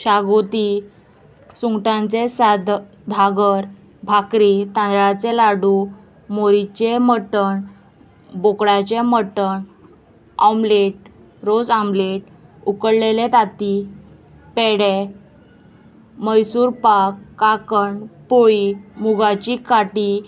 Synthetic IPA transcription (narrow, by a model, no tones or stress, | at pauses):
ɕaɡot̪i | suŋɡʈãnt͡sesad̪ | d̪ʱaɡəɾ | bʱakɾit̪ãnd̪ɾat͡selaɽu | moɾit͡ɕeməʈəɳ | bokɽat͡ɕeməʈəɳ | amleʈ̚ | ɾod͡zambleʈ̚ | ukəɽlelet̪at̪i | pɛɽe | məjsuːɾpakːakəɳpoɭimuɡat͡ɕikaʈi